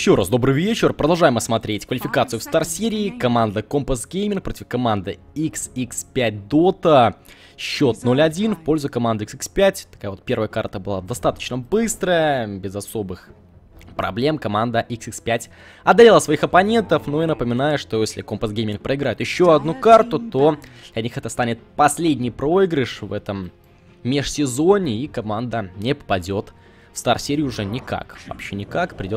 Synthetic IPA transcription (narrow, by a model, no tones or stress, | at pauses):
jjɪɕːo̞ɾasd̪o̞bɾɨvʲet͡ɕɪrpɾəd̪ɐlˠʐajɪməsmɐt̪ɾʲetʲkvəlʲɪfʲɪkat̪sɨjʊfst̪arsʲeɾʲɪːkɐmand̪əkompəsɡʲejmʲɪnk̚pɾo̞tʲɪfkɐmand̪ɨ | iksikspʲæt̚ʲd̪ot̪ə | ɕːo̞t̪̚no̞lʲɐdʲinfpo̞lʲzʊkɐmand̪ɨiksikspʲætʲt̪ɐ̥kajəvo̞t̪̚pʲervəjəkart̪əbɨlˠa̰d̪ɐst̪at̪ə̥t͡ɕnəbɨst̪ɾəjəbʲɪzɐso̞bɨx | pɾɐ̰blʲe̞mkɐmand̪əʔiksɨkspʲætʲ | ɐd̪ɐɾʲelˠəsvɐixɐpɐnʲe̞nt̪əfnoinəpəmʲɪnajʊʂt̪o̞jesʲlʲɪko̞mpəsɡejmʲɪnk̚pɾəɪɡɾajɪt̪jɪɕːo̞ɐd̪nukart̪ʊt̪od̪̥lʲɐnʲixɛt̪əst̪anʲɪt̪̚pɐsʲlʲedʲnʲɪjpɾo̞ɪɡɾɪʂvɛt̪əmːʲ | eʂsʲɪzo̞nʲɪikɐmand̪ənʲɪppɐdʲo̞t̪ | fst̪arsʲeɾʲɪjʊʊʐɛnʲɪka̰kvɐ̰pɕːenʲɪkakpɾʲɪdʲo